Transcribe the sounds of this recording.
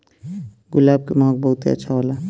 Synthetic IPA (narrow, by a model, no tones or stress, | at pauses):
ɡʊlaːb̚kemãːɡ̚bəɦut̪iə̰ːt͡ʃʰaɦola